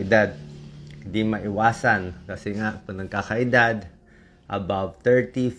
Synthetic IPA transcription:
ɪd̪ad̪̚kd̪imɐʔɪwaːsankɐsɛŋaʔpɐnɐɡ̚kakɐʔɪd̪ad̪ | ʔɐ̰bavt̪ɛɹt̪if

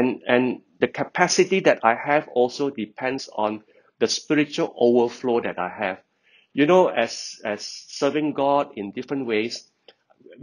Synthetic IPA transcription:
ɛ̃nɛ̃ndəkʰəpʰɛsitidɛtʰajhɛvɔlsodipʰɛ̃ndsɔ̰̃n | dəspiɹit͡ʃuəlʔovəflodɛtaɪhɛv | junoɛsɛsːəvɪ̃ŋɡɔdɪ̃ndifɹə̃nwes

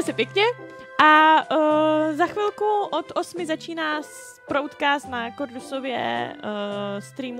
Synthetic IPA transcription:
ɛsɛpjɛkɲɛ | ʔa | zaxvɪlkuʔot̪ʔo̞smɪzat͡ʃiːnaːs | pɾowt̪kaːsnakoɾdusovjɛ̰ | st̪ɾiːm

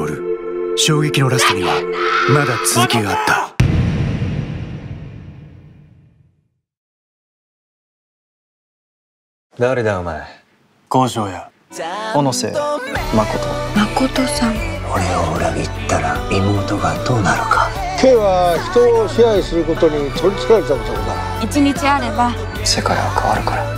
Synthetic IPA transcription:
oɾɯ̟ɕo̞ːɡe̞kʲino̞ɾasɨɲiβamad̪at͡sɨzɨkʲiɡaːt̪ːa | d̪aɾe̞d̪aɯmae | ko̞ːʑo̞ːja | onose̞̰ːmako̞t̪o̞mako̞t̪o̞sãŋoɾe̞oɯɾaɡit̪ːaɾamʲimoːt̪oɡad̪o̞ːnaɾɯ̟kʰḁ | kʰe̞ːβaçi̥t̪o̞ːɕiaisɨɾɯ̟ko̞t̪o̞ɲ̟itoɾʲit͡sɨ̥kaɾet̪aɾɯt̪oɾod̪a | it͡ɕiɲit͡ɕiaɾe̞ba | se̞kaɾa̰βakʰaβa̰ɾɯ̟kaɾa

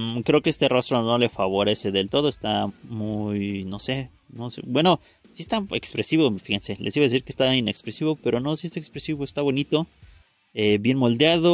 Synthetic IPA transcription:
kɾe̞okee̞st̪e̞rost̪ɾono̞le̞faβo̞ɾe̞se̞ðe̞lt̪o̞ð̞oest̪amujno̞se̞ | nosḛbwe̞no̞ | siest̪ae̞kspɾe̞siβo̞fixense̞lʔesiβaðes̬iɾkest̪aine̞kspɾesiβo̞pe̞ɾo̞no̞siest̪aekspɾesiβo̞est̪aβo̞nit̪o̞ | ebje̞nmo̞ld̪jaðo

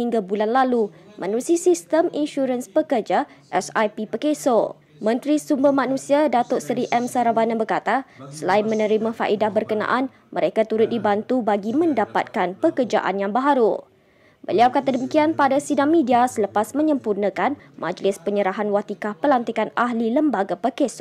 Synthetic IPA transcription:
hiŋɡabulanlalumʔə̃nũsisist̪əminʃuɾənspəkərd͡ʒaʔɛsajpipəkeso | mə̃nt̪ɾisumbəhmãnũsiadat̪ʊʔsəɾiʔɛmsaɾavanabərkat̪asəlaɪnmə̃nə̃ɾimãfa̰ʔidahbərkənã̰ʔan | mʔəɾekat̪uɾʊt̪̚dibant̪ubaɡimə̃ndapa̰t̪̚kanpəkərd͡ʒa̰ʔa̰njaŋbaɦaɾu | bə̰liawbkat̪̬adəmikianpadasidaŋmĩdiasələpasmə̃ɲə̃mpurnə̃kanmʔa̰d͡ʒlɪspəɲəɾaɦanwat̪ikahpəlant̪ikanaɦliləmbaɡapəkeso

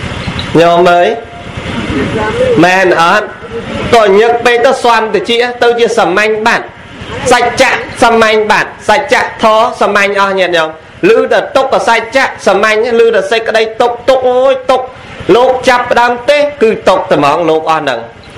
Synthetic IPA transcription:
ɲɔːməːj | mɛːnʔɑːt̪̚ | kɔːɲɨk̚peːk̪ɔsoamt̪ɨt͡ɕiʔt̪ɨwt͡ɕiəsamaɲɓaːt̪̚ | sac̚t͡ɕaʔsamaɲɓaːt̪̚sac̚t͡ɕaʔt̪ʰɔːsamaɲʔɑhɲɛət̪̚ɲɔːm | lɨːɗat̪uk̚ːɔsac̚t͡ɕaʔsamaɲlɨːɗasəj̚kə̆ɗəjt̪uk̚t̪uk̚mojt̪ʊk̚ | loːk̚t͡ɕapːə̆ɗaəmt̪eːkɨːt̪ok̚t̪əmɑːŋloːk̚ʔɑhnɨ̰ŋ

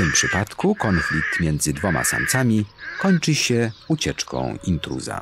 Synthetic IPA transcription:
t̪ɘmpʂɘpat̪kukɔnflʲik̚t̪mʲjɛnd̪zɘd̪vɔma̰sa̰mt̪samʲikɔɲt͡ʂɘɕɛut͡ɕɛt͡ʂkɔ̰̃w̃int̪ɾṵza̰

